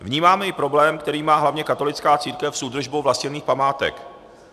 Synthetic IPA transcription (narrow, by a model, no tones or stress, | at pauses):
vɲiːmaːmɛjɪpɾo̞blɛːmkt̪ɛɾiːmaːɦlavɲɛkat̪o̞lɪt͡skaːt͡siːɾkɛfsʔuːd̪r̩ʒbowvlascɪniːxpamaːt̪ɛ̰k